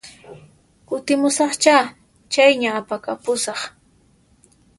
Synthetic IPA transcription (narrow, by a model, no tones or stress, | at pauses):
kʊt̪ɪmʊsɑχt͡ʃaː | t͡ʃajɲaːpakapʊsɑχ